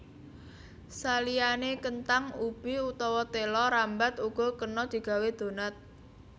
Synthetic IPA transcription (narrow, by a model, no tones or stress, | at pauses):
salijanekənt̪aŋub̥iut̪ɔwɔt̪elɔɾambat̪uɡ̥ɔ̤kənɔd̪̥i̤ɡ̥ä̤wed̪̥o̤nat̪̚